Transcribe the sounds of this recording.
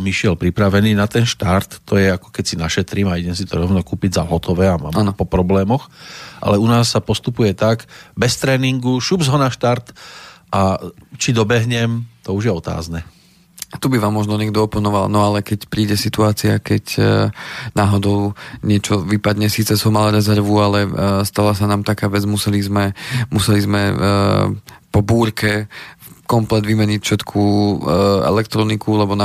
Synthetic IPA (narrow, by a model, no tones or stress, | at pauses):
miʃɪɛlpɾipɾaʋɛniːnat̪ɛnʃt̪aɾt̪ːɔjɛakɔ̥kɛcsinaʃɛt̪ɾiːmaiɟɛmsit̪ɔɾɔʊnɔkuːpiɟzaɦɔt̪ɔʋɛːama̰ːmːnpɔpɾɔblɛːmɔxʔa̰lɛunaːsːapɔst̪upujɛt̪aɡbɛst̪ɾɛːniŋɡuʃubzɦɔnaʃt̪aɾt̪ʔat͡ʃid̪ɔbɛɦɲɛmt̪ɔuʒjɛɔt̪a̰ːznɛ | t̪ubiʋaːmːɔʒnɔɲɛɡd̪ɔɔpɔnɔʋa̰lnɔalɛkɛcpɾiːɟɛsit̪uaːt͡siakɛc | naːɦɔd̪ɔʊɲɪɛt͡ʃɔʋipad̪ɲɛsiːt͡sɛsɔmːalɾɛzɛɾʋualɛst̪alasanaːmt̪akaːʋɛd͡zmusɛlizmɛmusɛlizmɛ | pɔbuːɾkɛ | kɔmplɛd̪ʋimɛɲicfʃɛt̪kʰu | ɛ̰lɛkt̪ɾɔnikʰulɛbɔna